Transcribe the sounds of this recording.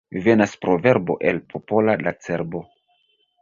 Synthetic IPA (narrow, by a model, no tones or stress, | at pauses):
ive̞naspɾo̞ve̞ɾbo̞̰ʔe̞lpʰopo̞lalat͡se̞ɾbo̞